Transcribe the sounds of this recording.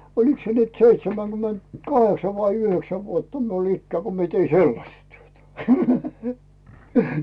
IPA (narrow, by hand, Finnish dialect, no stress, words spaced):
oliks se nyt seitsemæŋɡ̊ymentkɑheksɑ ʋɑi yhøksæ ʋuotːɑ miul ikːæː ko mie tei selːɑstɑ tyøtæ